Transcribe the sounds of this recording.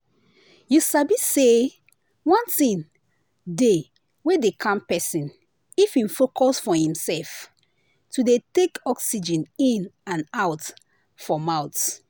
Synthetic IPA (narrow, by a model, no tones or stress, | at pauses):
jusabise | wɔ̃ntĩn | de | wedekʰãmpɛsĩn | ifĩnfokʰɔsfɔhĩmsɛlf | tudetekɔksid͡ʒɛ̃nĩnãnaʊt | fɔmãʊts